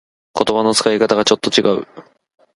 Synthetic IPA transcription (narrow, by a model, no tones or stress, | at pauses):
ko̞t̪o̞bano̞t͡sɨ̥kaikat̪aɡat͡ɕo̞t̪ːo̞t͡ɕiɡaɯ̟̰